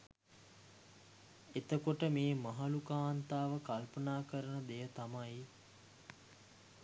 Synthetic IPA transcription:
et̪əkoʈəmeːmaɦalukaːnt̪aːʋəkalpənaːkəɾənəd̪ejət̪amaj

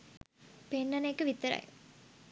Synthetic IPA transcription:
penːɐneːkːɯʋit̪ːɐɾa̰ːj̰

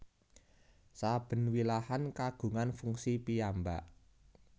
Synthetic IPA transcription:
sab̥ə̤nwilahankaɡ̥ṳŋanfuŋsipijambaʔ

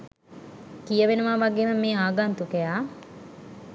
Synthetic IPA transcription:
kijəʋenuʋaːʋaɡeːməmeːaːɡaːnt̪ukejaː

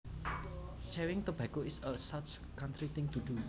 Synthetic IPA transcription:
t͡ʃɛwɪŋt̪ub̥akoɪsəsat͡ʃkant̪ɾit̪ɪ̃ŋt̪ud̪u

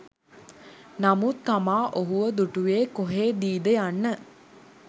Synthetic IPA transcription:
namut̪ːamaːʔoɦuʋəd̪uʈuʋeːkoɦeːd̪iːd̪əjanːə

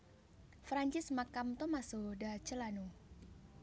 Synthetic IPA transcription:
fɾaɲt͡ʃɪsmakamt̪omasodat͡ʃəlanu

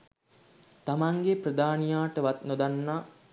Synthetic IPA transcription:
t̪amaŋɡeprəd̪aːnijaːʈəʋat̪nod̪anːaː

